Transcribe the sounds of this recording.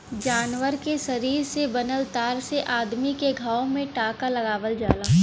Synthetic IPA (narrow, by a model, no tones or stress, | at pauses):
d͡ʒaːnʋəɾkeʃɐɾiːɾsebɐnəlt̪aːɾseʔaːd̪mikeɡʱaːwmẽʈaːkalɐɡaːʋəld͡ʒaːlaː